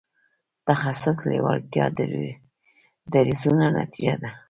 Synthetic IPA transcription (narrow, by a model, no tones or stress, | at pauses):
t̪axasaslewalt̪jɑ̰d̪ | d̪aɾizunana̰t̪id͡ʒad̪a